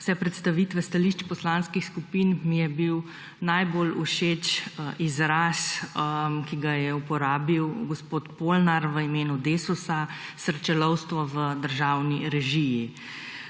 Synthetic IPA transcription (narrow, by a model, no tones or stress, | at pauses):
wsɛpɾɛt̪st̪aʋiːt̪ʋɛst̪aliʃt͡ʃpɔslaːnskixskupinmijɛbiw | najboluʃeːt͡ʃʔizɾasmkiɡajɛupɔɾaːbiwɡɔspoːt̪polnaɾʋəimeːnud̪eːsusasəɾt͡ʃɛlɔwst̪ʋɔʋəd̪əɾʒaːwniɾɛʒiji